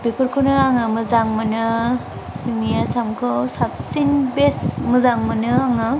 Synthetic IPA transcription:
bepʰɯɾkʰonɯaŋamɯzaŋmanɯ | sʰɯŋijasamkʰɯwsap̚sinbesmɯzaŋmanɯaŋɯ

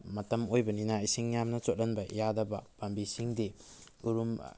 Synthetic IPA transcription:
mɐtɐmojbɐninaisiŋjamnɐt͡ʃot̚lɐnbɐjadɐbɐ̰b̥ambisiŋdiuɾum

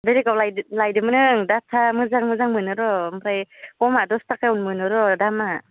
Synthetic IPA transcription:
beɾikawlajlajdɯmɯnɯŋdatʰamɯzaŋmɯzaŋmɯnɯɾɔmpɾajkɔmadɔstakajunmɯnɯɾɔdama

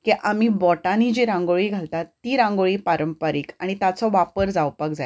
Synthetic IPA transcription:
kiʔamibɔʈanid͡ʑiɾãŋɡoɭiːɡʱalt̪at̪ːiːɾãŋɡoɭiːpaɾəmpaɾiːkaɽ̃it̪at͡sɔʋapəɾd͡zawpək̚d͡zaj

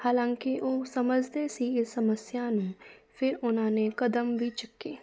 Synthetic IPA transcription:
haːlãːŋkɪʔoːsəməd͡ʒd̪eːsiːɪsːəməsjaːnũːpʰɪɾʊnãːneːkəd̪əmʋiːt͡ʃəkːeː

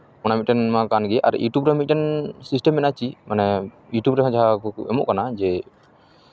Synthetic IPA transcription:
ɔnamit̪̚ʈɛnmakanɡɛʔa̰ɾ̰juʈubɾɛmit̪̚ʈɛnsisʈɛmːɛnat͡ʃimanɛ | juʈubɾɛɦɔ̃d͡ʒaɦakɔɛ̰mɔ̰ʔkanad͡ʒɛ

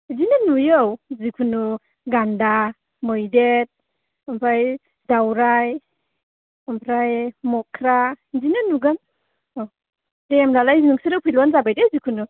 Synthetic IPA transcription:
zinanujowzikʰunu | ɡanda | mɔjdet̚ | ampʰaj | dawɾaj | ampʰɾajmɔkʰɾazinɯnuɡan | w | demlalajzinuŋsiɾɯwpʰilɔnzabajdezikʰunu

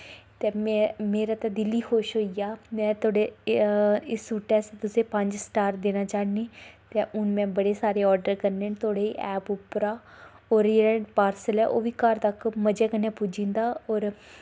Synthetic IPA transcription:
t̪eːmmeːɾaːt̪aːd̪ɪlːiːxoːʃɦoːijaːmɛ̃ːt̪ʰoːɽe | ɪsuʈɛːst̪ʊsẽːpəɲd͡ʒsʈaːɾd̪eːnaːt͡ʃaːniːt̪eːʔʊnmɛ̃ːbəɽeːsaːɾeːɔːɖəɾkəɾneːt̪ʰoːɽeːʔɛːpʊpɾaː | oːɾeːɾəpaːɾsəlɛːʔoːʋiːkaɾt̪əkməd͡ʒɛːkənːeːpʊd͡ʒĩːnd̪aːɔːɾ

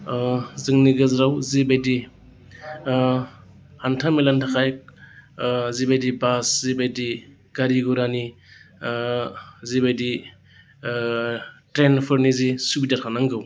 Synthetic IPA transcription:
zɯŋniɡɯzɾawzibajdi | hantʰamilantʰakʰaj | zibajdibaszibajdi | ɡ̥aɾiɡuɾani | zibajdi | tɾenpʰɯɾnizisubidaɾkʰanaŋɡɯw

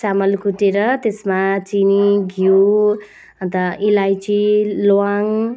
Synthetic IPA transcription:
samʌlkuʈeɾʌt̪esmat͡siniɡʱu | ʌnt̪ʌilajt͡ʃiloaŋ

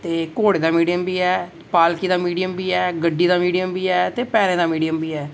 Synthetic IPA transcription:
t̪eːkoːɽeːd̪aːmiːɖijəmbiːɛː | paːlkiːd̪aːmiːɖijəmbiːɛːɡəɖːiːd̪aːmiːɖijəmbiːɛːt̪eːpɛːɾẽːd̪aːmiːɖijəmbiːɦɛː

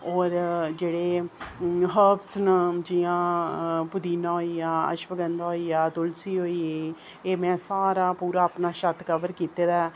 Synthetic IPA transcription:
ɔːɾd͡ʒeːɽeː | ɦəpsnəd͡ʒɪjãːbʊd̪iːnãːɦoiːaːə̰ʃʋəɡənd̪aːɦoːiːaːd̪ʊlsiːɦoːiːeː | eːmɛ̃ːsaːɾaːpuːɾaːəpnaːʃət̪kəʋəɾkiːt̪eːd̪aː

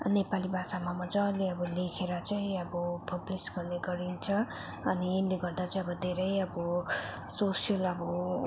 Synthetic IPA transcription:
nepalibʱasamamʌd͡zʌleʌbʌlekʰeɾʌt͡sʌĩʌbʌpʰʌblisɡʌrneɡʌɾint͡sʰʌ | ʌniːnleɡʌrd̪at͡sʌĩʌbʌd̪ʱeɾʌjʌbʌ | sosijʌlʌbʌ

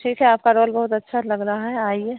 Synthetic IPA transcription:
ʈʰiːkʰɦɛaːp̚kaɾoːlbɐɦʊt̪ɐtːʃʰalɐɡɾaɦaɦɛaːie

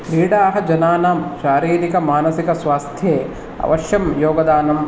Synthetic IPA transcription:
biːɽaːɦɐ̆d͡ʒɐnaːnaːmʃaːɾiːɾikɐmaːnɐsikɐsʋaːst̪ʰjeː | ɐ̰ʋɐʃjɐmjoːɡɐd̪aːnɐm

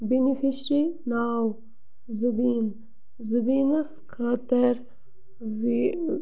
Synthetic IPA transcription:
binifiʃɾinaːw | zubin | zubinaskʰat̪ɐɾ

